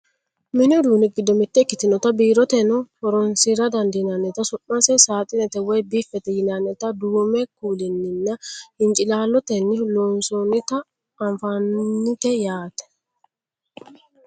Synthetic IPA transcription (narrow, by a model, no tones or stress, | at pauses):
mɪnʊd̪uːnɪɡɪd̪ːɔmɪt̪ːɛkːɪt̪ːɪnɔt̪ɐbiːɾɔt̪ɛnɔhɔɾɔnsiɾɐd̪ɐnd̪ɪjɪnanːɛt̪ɐsʊʔːɐsɛsaːt̪ʼɪnɛt̪ɛwɛjbifːɛt̪ɛjɪnanːɛt̪ɐd̪uːmɛkuːlɪnːɪnːɐɪnt͡ʃʼɪlaːlːɔt̪ɛnːɪloːnsɔnɪt̪ɐː | ɱfanːɪt̪ɛjaːt̪ɛ̥